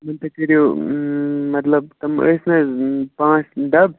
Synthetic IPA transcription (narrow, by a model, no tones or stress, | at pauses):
mɐnt̪ɐkɐɾijo | mɐt̪lɐb̚t̪ɐmə̰ːsnɐpãːt͡sɖɐb̚